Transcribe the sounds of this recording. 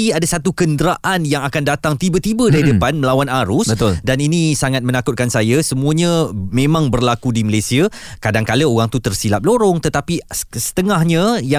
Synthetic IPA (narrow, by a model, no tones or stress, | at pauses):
iadasat̪ukəndɾaʔanjaŋakandat̪aŋt̪ibət̪ibədaɾidəpanməlawanaɾʊsbət̪ʊldaninĩsaŋat̪̚mə̃nakʊt̪̚kansajasəmũaɲãmẽmãŋbərlakudiməlesia | kadaŋkaləoɣaŋt̪ut̪ərsilap̚loɾɔŋt̪ət̪apisə̥t̪əŋahɲãja